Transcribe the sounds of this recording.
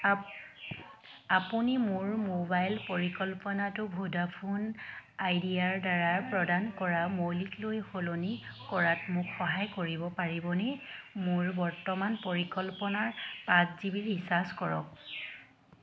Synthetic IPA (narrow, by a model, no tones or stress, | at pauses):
apunimʊɹmobajlpoɹikɔlpɔnatʊbʱudapʰunajdijaɹdaɹaɹpɹɔdankɔɹamojliklojxolonikɔɹatmʊkxɔɦajkoɹibɔpaɹibɔnɛmʊɹbɔɹtɔmanpoɹikɔlpɔnaɹpatzibiɹɦisaskɔɹɔ̰k̚